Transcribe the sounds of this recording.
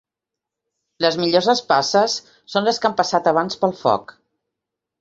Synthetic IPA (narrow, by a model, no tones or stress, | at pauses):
ləzmiʎozəspasəsː | onləskampəsat̪əβ̞anspəlˠfɔ̰k